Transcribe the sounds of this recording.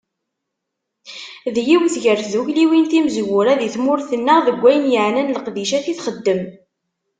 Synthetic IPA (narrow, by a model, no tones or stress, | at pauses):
ðjiwθʝəɾðuçliwinθimzwʊɾæðiθmʊɾθənːəʁðəɡʷːæjənjəʕnænləqðiʃæθiθχəd̪ːəm